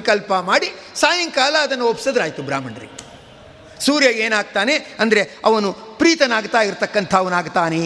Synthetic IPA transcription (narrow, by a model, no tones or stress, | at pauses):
kɐlpɐmaːɽisaːjɐŋkaːlɐːd̪ɐnːuopːsɐd̪ɾaːjt̪ubɾaːmɐɳɾḭ | suːɾjɐeːnaːɡ̚t̪aːne̞ɐnd̪ɐɾe̞ɐʋɐnupɾiːt̪ɐnaːɡt̪aːiɾt̪ɐkːɐnt̪ʰɐːʋɐnaːɡt̪aːne